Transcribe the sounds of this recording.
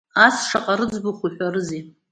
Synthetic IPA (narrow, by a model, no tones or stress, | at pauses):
asʂaqʼaɾɨd͡zbɨχʷuħʷᶣarɨzi